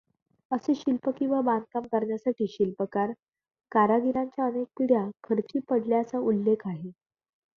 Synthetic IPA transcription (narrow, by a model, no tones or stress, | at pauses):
əseɕilpəkĩw̃ʋabankamkəɾɳjasaʈiːɕilpəkaɾ | kaɾaɡiɾaɲt͡ɕjaənek̚iɽjakʰəɾt͡ɕiːpəɽljat͡saulːekʰaɦe